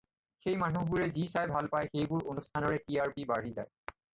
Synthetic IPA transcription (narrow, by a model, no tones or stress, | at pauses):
xejmanubuɹezisajbʱalpajxejbuɹonustʰanɔɹeʈiaɹpibaɹɦiza̰j